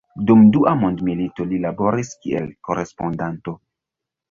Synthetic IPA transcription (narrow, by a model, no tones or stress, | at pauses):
dumduʔamondmilito̞lilabo̞ɾiskiʔḛlko̞ɾe̞spo̞ndanto̞